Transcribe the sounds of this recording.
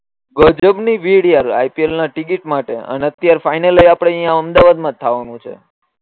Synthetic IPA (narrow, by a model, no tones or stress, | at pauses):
ɡəd͡ʒəbniʋiɽjaɾa̰jpielnaʈikiʈmaʈḛə̰neət̪jaɾfajnalejapɽ̃eĩãəmd̪aʋad̪mãt̪ʰːaʋanũt͡ʃʰḛ